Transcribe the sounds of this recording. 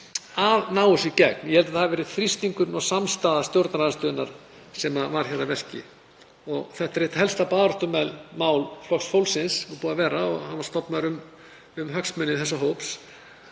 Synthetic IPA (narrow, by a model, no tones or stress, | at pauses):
avnaːwʏsicɛk̚njɛhɛlt̪aðhavɛːɾɪð̥θɾist̪iŋkʏɾnɔsamst̪aːðast̪jowɾt̪naɾaðast̪ʏːðɪnaɾ̥ | sɛmavaɾ̥çɛravɛr̥cɪ̰ | ɔɣθɛht̪aɾet̪ḁɦɛlst̪apaːðɾɔht̪ʏmɛðlmaːwlflɔxsfowlsɪnsɔpuːðavɛːɾaɔɣhanvaɾ̥st̪ɔpnaðɾʏm | ʏmɦœksmʏnɪθɛs̬ːaɦowps